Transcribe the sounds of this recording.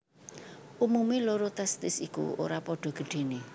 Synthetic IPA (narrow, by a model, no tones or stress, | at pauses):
ʔumumeloɾot̪ɛst̪ɪsikṵo̰ɾapɔɖ̥ɔ̤ɡ̥ə̤ɖ̥e̤ne